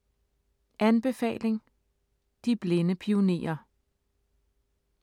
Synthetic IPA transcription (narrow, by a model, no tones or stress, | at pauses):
ʔænb̥e̝fɛ̰ːle̝ŋ | d̥ib̥le̝nəpʰio̝ne̝̰ːɐ